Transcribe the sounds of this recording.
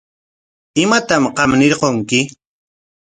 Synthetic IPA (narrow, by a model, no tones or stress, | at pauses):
ɪmat̪amqɑmnɪɾqoŋkɪ